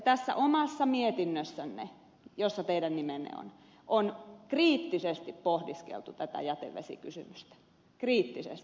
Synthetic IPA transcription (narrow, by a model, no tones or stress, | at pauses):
t̪æsːæ̰ʔomɑsːɑmiet̪inːøsːænːḛ | josːɑt̪eiɾænnimenḛo̰n | ʔonkriːt̪ːisest̪ippohdiskḛlt̪ut̪æt̪æ̰jæt̪ḛʋʋḛsḭkysy̰myst̪æ̥ | kriːt̪ːisḛst̪i